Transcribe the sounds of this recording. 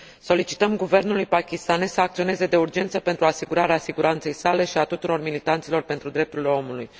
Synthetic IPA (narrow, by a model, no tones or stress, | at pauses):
so̞lit͡ʃi̥t̪əmɡuve̞rnulujpakʲist̪ane̞ssəak̚t̪sio̞ne̞ze̞d̪e̞urd͡ʒe̞nt̪səpe̞nt̪ɾuasiɡuɾaɾeasiɡuɾant̪se̞jsale̞ʃiat̪ut̪uɾo̞rmilit̪ant̪silo̞rpe̞nt̪ɾud̪ɾe̞p̚t̪urile̞o̞muluj